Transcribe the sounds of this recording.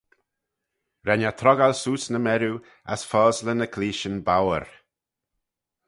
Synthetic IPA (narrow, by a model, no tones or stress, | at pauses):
ɾɛnat̪ʰɾɔɡalsuːsnəmɛɾu | a̰sfɔːzlənəkʰliːʃənbawə̰ɾ